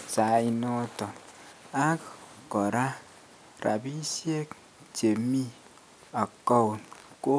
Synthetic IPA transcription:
sa˨i˦nɔ˦tɔ˨n | a˦kkɔ˨ɾa˦ | ɾa̰˨bi˦si˦e˦k | d͡ʒe˨mi˦ | a˨kɔ˦wn | ko˦

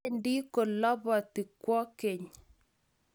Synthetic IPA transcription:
ndi˦ko˨lɔ˦βɔ˨t̪i˨kwɔ˦ke˨ɲ

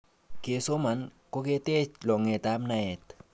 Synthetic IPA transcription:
ke˨so˦ma˨nko˦ke˦t̪e˦t͡ʃlɔ˨ŋe˨t̪a˦mna˦ɛ˨t̪

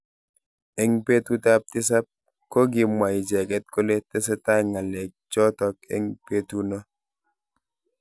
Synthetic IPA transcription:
ɛ˦ŋpe˦tu˦ta˦p̚ti˦s̬a˦p̚ | ko˦ɡi˨mwa˨i˨d͡ʒɛ˨kɛ˦t̚ko˦le˦tɛ˦s̬ɛ˦ta˦ŋa˨lɛ˨k̚t͡ʃɔ˦tɔ˦kɛ̰˦ŋpe˦tu˦nɔ˦

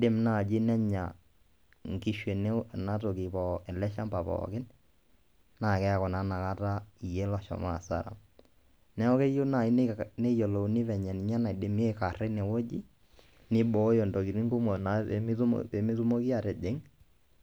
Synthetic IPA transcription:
de˨˦mna˦˨d͡ʒɪ˦nɛ˦ɲa̰˨ | ŋ˨ki˦ʃwe˨nɛ˦˨na˦to˨kɪ˨pɔ˨ɛ˨lɛ˦ʃa˦mpa˨pɔ̰˨kɪ˦n | na˨kɛ˦a˨kɔ˨na˨˦na˨ka˦ta˦i˨jɛ˦lɔ˨ʃɔ̰˨ma̰˨sa̰˨ɾa̰˨m | nɛ˦ɔ˦kɛ˦jo˦na˨i˦nɛ˦jɔ˨lo˨˦nɪ˦vɛ˨ɲɛ˨ni˨ɲa˦na˨de˨m˦e˦ka˨ɾɛ˦nɛ˨wo˦d͡ʒi˦ | nɪ˦bɔ˦jɔ˨ndɔ˨ki˨ɾi˦ŋɡu˦mɔ˨na˨˦˨m̰˦ɛ˨mɪ˦tʊ˦mo˦ki˦a˨tɛ˨d͡ʒe˨˦ŋ

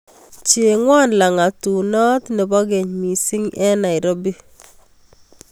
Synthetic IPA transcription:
t͡ʃe˨ŋwa˦nla˨ŋa˨tu˨nɔ˦tne˨bɔ˦ɡɛ˨ɲmi˨sɪ˦ŋɛ˦na˨i˨ɾo˦bi˦

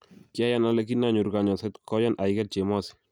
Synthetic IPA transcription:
ka˦ja˦na˦lɛ˦ki˦na˦˨ɲu˨ɾɡa˨ɲɔ˨sɛ˦t̪kɔ˦jɔ˦nʔa˨i˦kɛ˦t̚t͡ʃe˨mɔ˦si̥˨

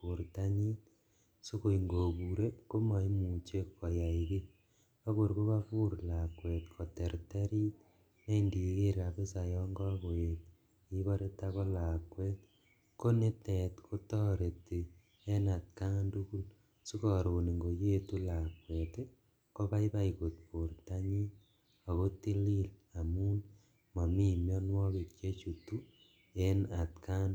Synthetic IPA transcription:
pu˨ɾta˦ɲi˦t | so˦ko˨i˨ŋɡo˨ku˨ɾe˦ko˦mɔ˨i˦mu˨t͡ʃe˦kːo˨ja˨iki˦ | pa˦koɾko˦ka˦pu˦ɾla˨kwe˨tkʰɔ˨te˨ɾte˦ɾi˦t̚ | ne˦indi˨ke˦ɾa˨pe˦sa˨jɔ˦ŋɡɔ˦ko˨e˨t̚ | i˦βa˦ɾe˦ta˦ko˦la˨kwɛ˦t | ko˦ne˦tɛ˨tkʰo˦tɔ˦ɾe˨ti˨ | e˦na˨t̚ka˦ndu˦ku˦l | su˦kɔ˨ɾo˨ni˨ŋɡo˨je˦tu˦la˨kwe˨te˦ | ko˦ba˦i˦ba˦iko˨t̚po˨rta˦ɲi˦ | a˨ɣo˦ti˦li˦la˨mu˦n | ma˨mi˦mjɔ˦nwɔ˦ke˨kt͡ʃe˦t͡ʃu˨tu˦ | e˦na˨tka˦n

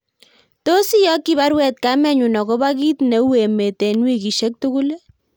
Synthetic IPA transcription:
to˦si˦jɔ˦kːi˦βa˦ɾwɛ˨t̚ka˦mɛ˦ɲu˨nɔ˨kɔ˦ba˦ki˦tne˨˦we˨me˨te˨nwi˦ki˨ʃe˦k̚tu˦ku˦le˦

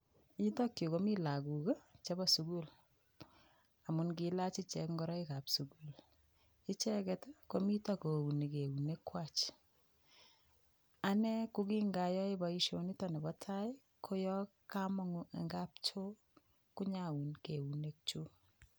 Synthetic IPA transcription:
i˦tɔ˦kjo˨ko˦mi˦la˨ku˨kt͡ʃe˦bɔ˨su˨ku˦l | a˨mu˨nkila˦t͡ʃi˦t͡ʃɛ˨kŋɡɔ˦ɾɔ˦i˦ka˨psu˨ku˨l | i˦t͡ʃɛ˦kɛ˦tko˨mi˦ta˦ko˨u˨ni˨ke˨u˨ne˦kwa˦t͡ʃ | a˨nɛ˦ku˦ki˦ŋɡa˨jɔ˦e˦ba˨i˦ʃo˦ni˦tɔ˨ne˨bɔ˦tʰa˦i˦ | kʰo˦jɔ˦ | ka˦mɔ˦ŋʊḛ˨ŋɡa˦p̚t͡ʃo˦ | ku˦ɲa˦u˨nke˨u˨ne˦k̚t͡ʃu˦

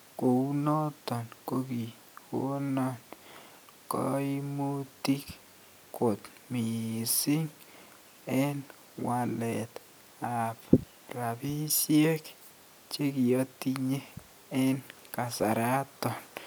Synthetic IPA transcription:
ko˨u˦no˦t̪ɔ˨nko˦ɡi˨ | o̰˦nɔ˦n | kɔ̰˦i˦mu˦t̪i˦k | ko˨t̪ | mi˨sɪ˦ŋ | ɛ˦n | wa˨lɛ˨t̪ | a˨p | ɾa˨bi˦sje˦k | t͡ʃe˦ɡɪ˨o˦t̪i˦ɲe˦ | ɛ˦n | ka˨sa˨ɾa˦t̪ɔ˨n

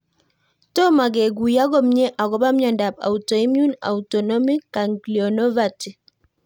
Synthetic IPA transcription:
tɔ˦ma˨ɡɛ˨ɡu˨ja˦ɡɔ˦mɲɛ˦ʔa˨ɡɔ˦ba˦mɲɔ˨nda˨p̚a̰˨utɔ˨i˦mju˦na̰˨utɔ˨nɔ˦mi˦kːa˨ŋɡli˨ɔ˨nɔ˦va˨ti˨

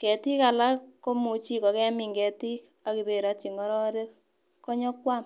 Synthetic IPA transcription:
kɛ˨ti˦ka˨la˦kːo˦mu˨t͡ʃi˦kɔ˨kɛ˦mi˨ŋɡɛ˨ti˦k | a˨ki˨be˨ɾa˨˦tt͡ʃi˨ŋɡɔ˦ɾɔ˦de˦k | kɔ˦ɲɔ˦kːwa˦m

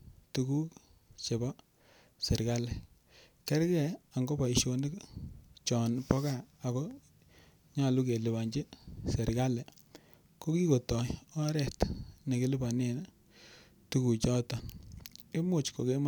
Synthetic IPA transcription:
tu˨ku˦k | t͡ʃe˨bɔ˦ | se˨ɾka˦lɛ˨ | kɛ˦ɾkɛ˨a˨ŋɡo˦pa˨i˨ʃo˨ni˦kt͡ʃɔ˨npɔ˦ka˦a˨kɔ˦ | ɲa˨lu˦ke˨lɪ˨ba˨ɲd͡ʒɪ˦sɛ˨ɾka˦lɛ˨ | ko˦ki˦ko˨tɔ˨ɔ˦ɾɛ˦˨tne˨kɪ˦lɪ˦ba˨ne˨n | tu˦ku˨t͡ʃɔ˦ta˨nke˦mʊ˨t͡ʃko˨ke˦ma

